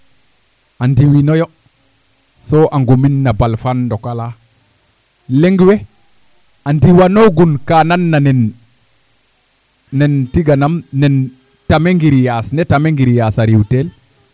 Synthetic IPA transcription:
andiwinojo | soʔaŋɡominːabalfandokala | leŋɡwe | andiwanoɡunkananːanen | nentiɡanamnen | tameŋɡiɾijasnetameŋɡiɾijasaɾiwtel

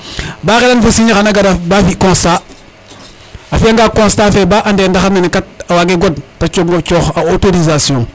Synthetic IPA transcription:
baɣelanfusiɲaxanaɡadabafikɔ̃sta | afiaŋɡaːkɔ̃ːstaːfebaʔandeːndaxamenkat̚awaɡeɡodtat͡ʃoɡot͡ʃoxaotoɾizasjɔ̃ŋ

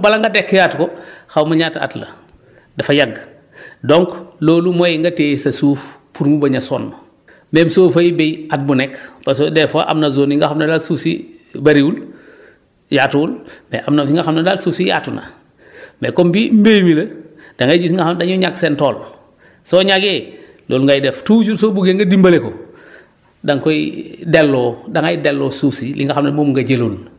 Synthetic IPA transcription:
bɐlaŋɡɐdekːjaːtkɔxawmaɲata̰tlɐ̰ | dɐfajaɡ | dɔŋkloːlumojiŋɡɐteːsɐsuːfpuɾmubɐɲasɔ̰ːnmɐ | memsoːfɐjibejat̚bunɛkpasodɛfaʔa̰mnɐzoːniŋɡaxamnɐdaːlsuːsibɐɾiul | jaːtuwulmḛʔamnafiŋɡaxamnadalsuːsija̰tuna̰ | mekombimbejmilɐ | d̥aŋaɟusŋɡaadaɲuɲaksentoːl | soːɲaɡeː | loːlŋɡajdeftuːɟuɾsoːbuɡeŋɡɐdimbaleko | daŋkoidelːɔːdaŋajidelːoːsuːsilʔḭŋɡaxamnamomŋɡɐɟeloːn

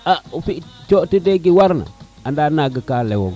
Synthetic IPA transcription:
aufit͡ʃotideɡiwaɾna̰ | andanaɡəkalewo̰ŋ

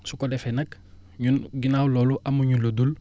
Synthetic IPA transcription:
sukodɛfenɐk | ɲunɡinaːwlɔːluʔamuɲulodul

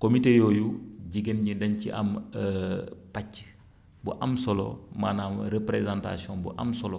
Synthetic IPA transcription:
komitejɔːjuɟiɡənɲidɐnciʔɐ̰m | pacː | bṵʔɐmsɔlɔ̰maːnamɾepɾezãnta̰siɔ̃nbṵʔɐ̰msɔlɔ

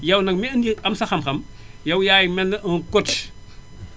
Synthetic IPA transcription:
jɐwnɐk̚mɛɐndiɐmsɐxɐmxɐmjɐwjaːjimɛnːɐʔɐŋkɔt

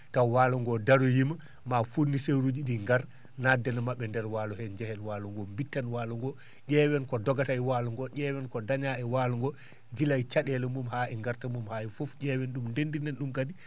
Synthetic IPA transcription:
tawaːlɔŋɡɔdaɾɔjima | mafunːisewɾud͡ʒiɗiŋɡaɾ | nadɛnamaɓːɛndɛɾwalɔhɛɲd͡ʒɛhɛnwaːlɔŋɡɔmbitːanwaːlɔŋɡɔ | ɗɛwɛnkɔdɔɡatajwaːluŋɡɔʔɛːwɛnkɔdaɲaɛwalɔŋɡɔ | ɡilajt͡ʃaɗɛlɛmumhaːʔɛŋɡaɾtamumhaɛfɔfɟɛwɛnɗumndendinɛnɗumkadi

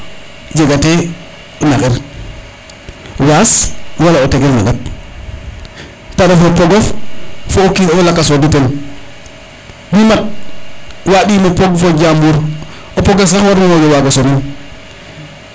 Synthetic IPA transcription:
ɟeɡate | onakeɾ | waswalaoteɡelma̰ɡat̚ | paɾafopoɡoffookilakːasoduten | bimat̚ | waːɗiːmopoɡfoɟaːmbuɾ | opoɡas̬axwaɾmamod͡ʒowaɡasonun

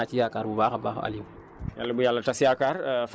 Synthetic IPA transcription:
at͡ʃijakaɾbubaːxabaxa̰lu | jalːɐbujalːɐtasijakaɾf

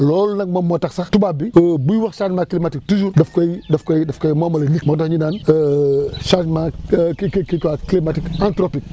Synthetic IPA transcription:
lɔlnɐk̚mɐmotaksaxtubabibuwaxʃad͡ʒmaklimatik̚tud͡ʒuɾdɐfkojdɐfkojdɐfkojmomɐlɐnikmotoɲindanəʃad͡ʒmakkikwaklimatikantɾopik̚

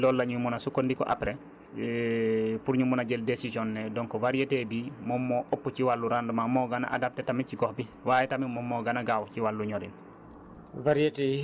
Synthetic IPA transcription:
lɔlːaɲumunasukondikɔ̰ʔa̰pɾe | puɾɲumunaɟɛldesisɔnːɛdɔŋkɔvaɾietebimɔmːɔʔopːuciwalːuɾandumamɔɡana̰ʔa̰dap̚tɛtamiciɡɔhbiwajɛtamimɔmːɔɡanaɡawciwalːuɲɔɾḭn | vaɾiete

